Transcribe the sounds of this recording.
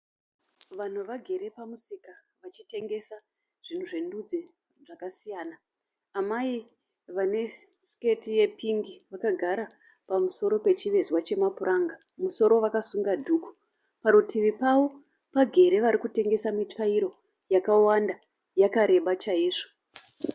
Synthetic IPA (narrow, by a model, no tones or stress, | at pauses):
ʋan̤uʋaɡʱe̞ɾe̞pamusika | ʋat͡ʃite̞ŋɡe̞sa | ʐ̥in̤uʐe̞ndud͡ze | ʐakasijaːnaː | mai | ʋane̞ske̞tije̞pʰiŋɡiʋakaɡʱaɾa | pamuso̞ɾo̞pe̞t͡ʃiʋe̞zwat͡ʃe̞mapurʔaŋɡa | muso̞ɾo̞ʋakasuŋɡadʱuːku̥ | paɾutʰiʋipaʋo̞ | paɡʱe̞ɾe̞ʋaɾikute̞ŋɡe̞samit͡ʂaiɾo̞ | jakawanda | jakaɾe̞ɓat͡ʃaiːʐo